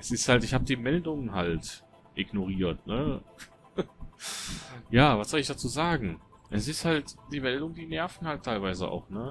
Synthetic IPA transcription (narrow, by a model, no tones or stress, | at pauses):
ʔɛsɪsthaltɪçhaːbədiːmɛldʊŋənɦalt | ʔɪɡnoʁiːɐtnə | jaːvasz̥ɔlɪçd̥at͡suːzaːɡŋ̩ | ʔɛs̬ɪsthaltd̥iːmɛldʊŋəndiːnɛɐfn̩haltʰːaɪlvaɪzəʔa̰ʊxnə